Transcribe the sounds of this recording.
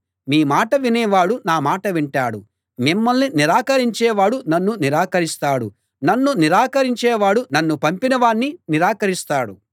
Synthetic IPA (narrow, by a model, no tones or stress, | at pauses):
miːmaːʈɐʋinɛːʋaːɽunaːmaːʈɐʋiɳʈaːɽṵ | mimːɐlniniɾaːkɐɾiɲt͡ʃɛːʋaːɽunɐnːuniɾaːkɐɾist̪aːɽṵ | nɐnːuniɾaːkɐɾiɲt͡ʃɛːʋaːɽunɐnːupɐmpinɐʋaːɳːiniɾaːkɐɾist̪aːɽṵ